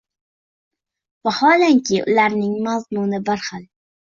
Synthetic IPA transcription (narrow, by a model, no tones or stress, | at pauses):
vahɒːlaŋkʲʰɪʔʊ̰laɾnɪŋmazmunɪbaɾχɑl